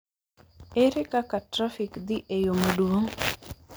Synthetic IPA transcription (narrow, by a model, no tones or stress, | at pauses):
eɾekakatɾafikd̪iʔejomaduwoŋ